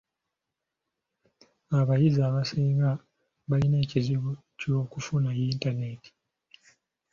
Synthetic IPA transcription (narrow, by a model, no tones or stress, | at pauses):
aβajizaːβasiːŋɡa | βaline̞ːciziβo | co̞ːkufunajintaneti̥